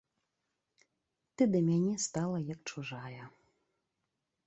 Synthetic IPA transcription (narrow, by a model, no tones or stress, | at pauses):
t̪ɨd̪ɐmʲanʲɛst̪alˠɐjɐk̚t͡ʂuʐajɐ